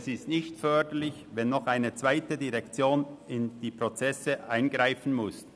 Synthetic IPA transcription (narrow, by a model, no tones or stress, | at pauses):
sɪstnɪçtfœɐdəlɪçvɛnːɔχaɪnət͡sv̥aɪtədiʁɛkt͡sjoːnɪnd̥iːpʁ̥ot͡sɛsəʔaɪnɡʁaɪfn̩mʊs